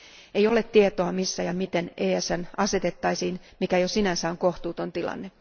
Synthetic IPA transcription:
e̞jole̞t̪t̪ːiet̪oɑmisːæjɑmit̪e̞neːæsænɑse̞t̪e̞t̪ːɑjsiːnmikæjosinænsæoŋko̞ht̪uːt̪o̞nt̪ilɑ̰nːe

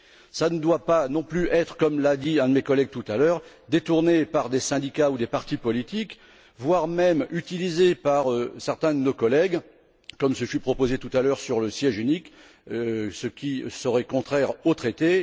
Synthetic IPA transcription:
sanəd̪wapanɔ̃plyʔɛt̪χə̥kɔmlad̪iɛ̃d̪əmekɔlɛɡ̚t̪ut̪alœːʁ | d̪et̪uʁnepaʁd̪esɛ̃d̪ikaud̪epaʁt̪ipɔlit̪ik | vwaʁmɛmyt̪ilizepaʁøsɛʁt̪ɛ̃d̪ənokɔlɛɡ | kɔmsəfypχɔpozet̪ut̪alœʁsyʁləsjɛʒynik | səkʲisəʁɛkɔ̃t̪χɛʁot̪χet̪e

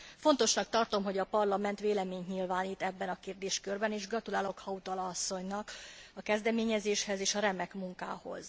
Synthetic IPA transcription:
fo̞n̪t̪o̞ʃnɒk̚t̪ɒrt̪o̞mɦo̞ɟɒpɒrlɒmɛnt̪ʋeːlɛmeːɲɲilvaːnit̪ɛbːɛnɒkeːrd̪eːʃkørbɛneːʒɡrɒt̪ulaːlo̞khɒut̪ɒlɒsːo̞ɲnɒkɒkɛzd̪ɛmeːɲɛzeːʃhɛzeːʃɒɾɛmɛkmuŋka̰ːho̞̰z̥

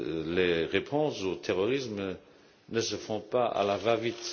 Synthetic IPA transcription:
leʁepʰɔ̃sot̪ʰeʁɔʁism | nəsəfɔ̃paa̰lavavit̪

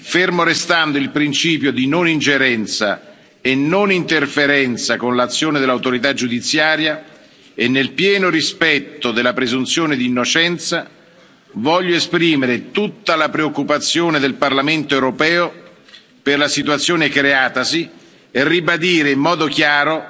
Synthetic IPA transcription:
fermoɾest̪and̪oilpɾint͡ʃiːpjod̪inonind͡ʒeɾɛnt̪sa̰ | enːonint̪erfeɾɛnt̪sakonlat̪sːjoːned̪elːawt̪oɾit̪̬ad͡ʒːud̪it̪sːjaːɾja | enːelpjɛːnoɾispɛt̪ːod̪elːapɾezunt̪sjoːned̪inːot͡ʃɛnt̪sa | vɔʎːoespɾiːmeɾet̪ut̪ːalapɾeokːupat̪sːjoːned̪elparlament̪oewɾopɛːo | perlasit̪uwat̪sːjoːnekɾeaːt̪asi | erːibad̪iːɾeimːɔːd̪okjaːɾo

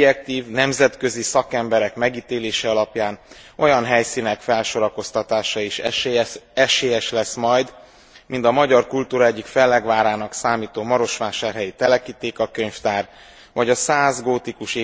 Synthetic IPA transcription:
jɛk̚t̪iːvnɛmzɛt̪kø̞zisɒkɛmbɛɾɛkmɛɡiːt̪eːleːʃɛɒlɒpjaːn | o̞jɒnɦɛjsiːnɛkfɛlʃo̞ɾɒko̞st̪ɒt̪aːʃɒiʃ | ɛʃeːjɛʃlɛsmɒjd̪ | mint̪ɒmɒɟɒrkult̪uːɾɒɛɟːikfɛlːɛɡʋaːɾaːnɒksaːmiːt̪oːmɒɾo̞ʃʋaːʃaːrɦɛjit̪ɛlɛkiːt̪eːkɒkøɲft̪aːr | ʋɒɟɒsaːzɡoːt̪ikuʃeː

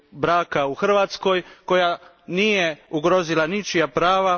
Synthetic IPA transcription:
bɾaːkauxr̩ʋat̪sko̞jko̞ja | niːjeuɡɾo̞zilanit͡ʃijapɾaːʋa

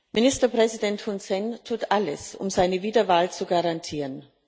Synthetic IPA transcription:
mɪnɪstɐpʁ̥ɛzidɛnthʊnsɛntʰuːtʔaləsʔʊ̰mzaɪnəviːdɐvaːlt͡suɡaʁantʰiːʁən

